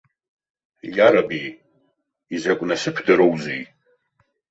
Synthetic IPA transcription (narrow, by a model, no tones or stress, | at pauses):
jaɾabij | izakʷʼnasɨpʰdaɾowzij